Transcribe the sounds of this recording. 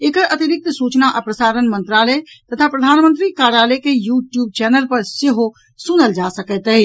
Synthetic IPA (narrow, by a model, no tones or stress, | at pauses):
eːkəɾʔɐt̪iɾɪk̚t̪suːt͡ʃnaʔəpɾəsaːɾənmə̃nt̪ɾaːlət̪ət̪ʰapɾəd̪ʱaːnmə̃nt̪ɾikaːɾaːləkejuːʈjuːb̚t͡ʃɛːnəlpɐɾseɦo | sʊnəld͡ʒasəkət̪əi